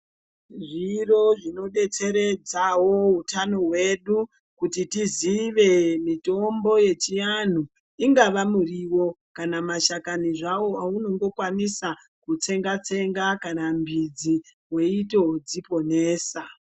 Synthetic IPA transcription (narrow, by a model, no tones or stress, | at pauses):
ʐiro̞ʐino̞ɓe̞t͡se̞ɾe̞d͡zawo̞ɦutano̞ɦwe̞ɗu | kutitiziʋe̞mito̞mbo̞je̞t͡ʃijan̤u | iŋɡaʋamuriwo̞kanamaʃakaniʐawo̞auno̞ŋɡo̞kwanisa | kut͡se̞ŋɡat͡se̞ŋɡakanambid͡zi | we̞ito̞d͡zipo̞ne̞ːsa